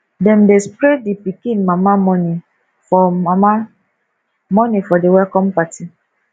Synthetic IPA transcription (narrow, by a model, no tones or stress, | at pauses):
dɛ̃mdespɾedipikĩnmamamɔni | fɔama | mɔnifɔdewɛlkɔmpati